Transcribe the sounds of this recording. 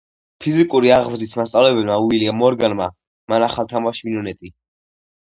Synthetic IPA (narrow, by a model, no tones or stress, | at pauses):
pʰizikʼuɾiaʁzɾismast̪sʼavlɛbɛlmauiliamɔɾɡanma | manaχalˠt̪ʰamaʃminɔnɛt̪ʼi